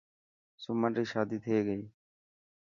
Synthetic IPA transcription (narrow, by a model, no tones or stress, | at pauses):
sʊməɳɾiːʃaːd̪iːt̪ʰeːɡəiː